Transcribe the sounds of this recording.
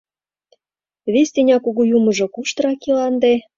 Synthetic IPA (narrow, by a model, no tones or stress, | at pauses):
βesʲt̪enʲɑkuɣujumɤ̆ʒŏkuʃt̪ɾɑkilɑnd̪e